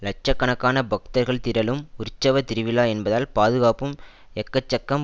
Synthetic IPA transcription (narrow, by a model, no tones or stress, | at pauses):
lɐʈ̚t͡ʃɐkːɐɳɐkːaːnɐbɐkt̪ɐɾɣɐɭt̪ɪɾɐlɯmʊɾt͡ʃːɐʋɐt̪ɪɾɯʋɪlaːɛnbɐðaːlpaːðɯɣaːpɯm | ɛkːɐt͡ʃːɐkːɐm